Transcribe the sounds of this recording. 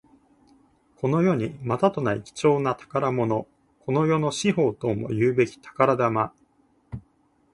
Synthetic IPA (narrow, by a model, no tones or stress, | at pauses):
kʰo̞no̞jo̞ɲ̟imat̪at̪o̞naḭkʲi̥t͡ɕo̞ːnat̪ḁkaɾamo̞no̞ | ko̞no̞jo̞no̞ɕiɦo̞ːt̪o̞ːmo̞̰jɯːbe̞kʲi̥t̪ḁkaɾad̪ama